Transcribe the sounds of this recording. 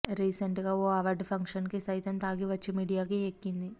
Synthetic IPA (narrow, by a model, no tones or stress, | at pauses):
ɾiːseɳʈɡaːoːɐʋɐɾɖpʰɐŋkʂɐnkisɐjt̪ɐmt̪aːɡiʋɐt͡ʃːemiːɽijaːkiekːind̪i